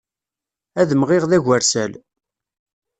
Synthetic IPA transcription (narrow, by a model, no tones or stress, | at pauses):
æðəmʁɪʁðæʝæɾsæl